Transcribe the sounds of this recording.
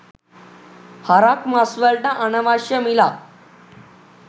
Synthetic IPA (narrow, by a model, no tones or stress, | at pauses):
haɾakmasʋəɾʈaʔənəʋaɕjəmila